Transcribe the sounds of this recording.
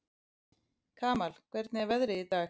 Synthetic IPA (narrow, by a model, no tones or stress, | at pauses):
kʰaːmal̥kʰvɛɾt̪̚nɪavɛðɾɪit̪aː